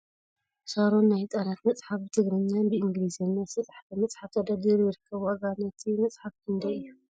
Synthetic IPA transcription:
saɾo̞nːajt̪ʼanat̪mɐt͡sʼħafbɨt̪ʰɨɡɾɐɲːanbɨʔɨŋɡɨlizɐnːasɐt͡sʼħt̪ɐmɐt͡sʼħaft̪ʰɐd̪ad̪iɾjɪɾɨkʰːɐβuɐɡanɐt̪ʰimɐt͡sʼħafkʰɨnd̪ɐjɨjːu

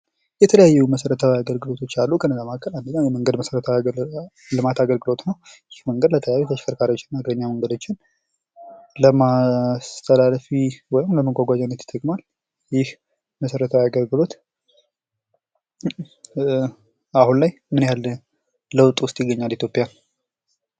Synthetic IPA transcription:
jɛt̪ʰələjajːuməsəɾət̪ʰawiaɡəlɡɨlo̞t̪ʰo̞t͡ʃːalːukʰənːəzamakʰːəland̪əɲːawjɛməŋɡəd̪məsəɾət̪ʰaw | lɨmat̪aɡəlɡɨlo̞t̪nəw | jɪhməŋɡəd̪lət̪ʰələjajːut̪ʰəʃkʰəɾkʰaɾiot͡ʃːɪnmaɡɾəɲːaməŋɡəd̪o̞t͡ʃːɪn | ləmast̪ʰəlalfiwɔjɪmləməɡʷaɡʷad͡ʒɛnːət̪ɪ̥t̪ʰʼːəkʼmal | jɪh | məsəɾət̪ʰəwiaɡəlɡɨlo̞t̪ | ahunlajmɨnjal | ləwt̪ʼwʊst̪ʼjɪɡːəɲːalit̪ʰjo̞pʼjan

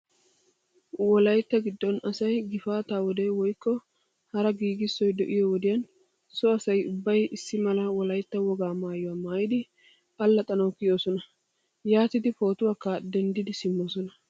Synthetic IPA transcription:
wɔlɐjt̪ːɐɡɪd̪ːɔnɐsɐjɡɪfaːt̪aːwɔd̪ewɔjkːɔ | hɐɾɐɡiːɡɪsːɔjd̪ɔʔɪjɔwɔd̪ɪjɐn | sɔɐsɐjʊbːɐjɪsːɪmɐlɐwɔlɐjt̪ːɐwɔɡaːmaːjʊwaːmaːjɪd̪ɪ | ɐlːɐt̪ʼɐnɐwkɪjo̞ːsɔnɐ | jaːt̪ɪd̪ɪfo̞ːt̪ʊwaːkːaːd̪ɛnd̪ɪd̪ɪsɪmːoːsɔnɐ

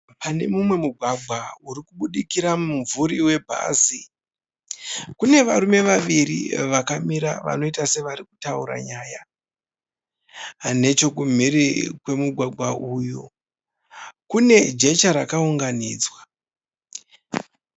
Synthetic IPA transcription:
pane̞mumwe̞muɡʱwaɡʱwauɾikuɓuɗikiɾamuɱvuɾiwe̞bʱa̰zi | kune̞ʋaɾume̞ʋaʋirḭʋakamiɾa̰ʋa̰no̞itase̞ʋaɾiku̥tauɾa̰ɲaːja | ne̞t͡ʃo̞kum̤irikwe̞muɡʱwaɡʱwaʔuju | kune̞d͡ʒe̞t͡ʃaɾakauŋɡaniːd͡zwa

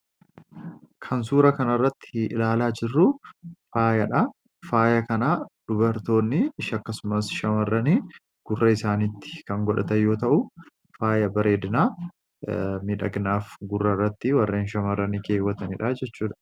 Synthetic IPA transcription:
kʰɐns̬uːɾɐkɐnɐrːɐt̪ːɪɪ̰laːlaːd͡ʒɪrːʊfaːjɐᶑɐ | faːjɐkɐnaːᶑʊbɐɾt̪o̞ːnːɪːʃɐkːɐsʊmɐsʃɐmɐrːɐniː | ɡ̥ʊrːɐɪsaːnit̪ːɪ̥kɐŋɡɔᶑɐt̪ɐjːo̞ːt̪ɐʔʊ | faːjɐbɐɾe̞ːd̪ɪnaː | miᶑɐɡnaːfɡʊrːɐrːɐt̪ːɪwɐrːeːnʃɐmɐrːɐnikeːwɐt̪ɐnɪᶑaːd͡ʒɛt͡ʃːuːᶑ̪ɐ̥

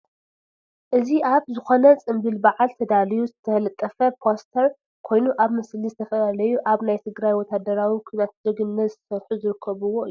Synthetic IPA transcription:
ʔɨziʔaβzɨxo̞nɐt͡sʼɨmbɨlbaʕalt̪ʰɐd̪alijuzɨt̪ʰɐlɐt̪ʼːɐfɐpʰost̪ʰɐɾ | kʰo̞jnuʔaβmɐslizɨt̪ʰɐfɐlalɐjuʔaβnajt̪ʰɨɡɾajwɔt̪ʰad̪ɐɾawikʰujnat̪d̪ɨɡɨnːɐzɨt̪ʰsɐɾħuzɨɾɨkʰːɐβuwoʔɨju

